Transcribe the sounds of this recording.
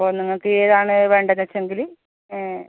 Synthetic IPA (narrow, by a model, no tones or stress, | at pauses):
poːniŋːɐɭkːɨeːðaːɳɨʋe̞ːɳɖɐnːɐt͡ɕːeŋɡili | eː